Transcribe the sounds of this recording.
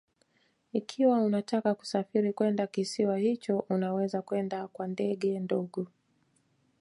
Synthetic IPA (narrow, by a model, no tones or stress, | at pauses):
ikʰiwaunatakaku̥safiɾikwɛndakisiwahit͡ʃɔʔunawɛzakwɛndakwandɛɠɛndɔɠɔ